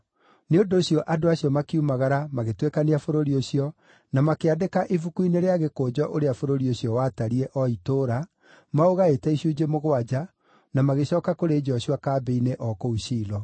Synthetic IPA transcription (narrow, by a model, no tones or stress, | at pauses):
neondoːɕjɔʔadoaɕjɔmakiumaɣaɾamaɣetwekaniafoɾoɾioɕiɔ | namakeadekaʔivukuineɾeaɣekoːd͡ʒɔʔoɾeafoɾoɾioɕjɔwaːtaɾiɛʔɔitoːɾa | maoɣaetɛiɕud͡ʑemoɣwad͡ʑa | namaɣeɕɔːkakoɾeːd͡ʑɔɕiwakaːbeineʔɔkouɕiːlɔ